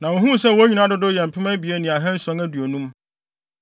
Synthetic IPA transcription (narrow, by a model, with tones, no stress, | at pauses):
nã˨wɔ˨ɦũ˦sɛ˦˨wɔ˦æ˦ɲᶣĩ˨nã˦dʊ˦dʊ˦jɛ˨m̩˨pʰɪ˦mɛ̃˦bi˨e˦nĩ˨a˨ɦɛ̃˦n̩˦sɔ̃˦ŋæ˦du˨o˨nũ˦m